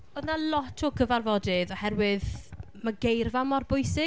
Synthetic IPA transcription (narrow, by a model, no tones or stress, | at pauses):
ɔðnalˠɔtʰɔɡəvarvɔdɪðɔhɛɾwɪð | maɡejrvamɔrbʊjsɪ